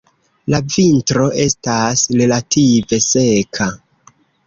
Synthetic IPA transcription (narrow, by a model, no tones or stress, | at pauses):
lavintɾo̞ʔe̞stasɾe̞latʰive̞se̞kʰa